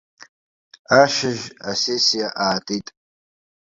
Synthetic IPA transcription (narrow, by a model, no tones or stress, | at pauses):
aʃɪʒasesijaʔaːtʼitʼ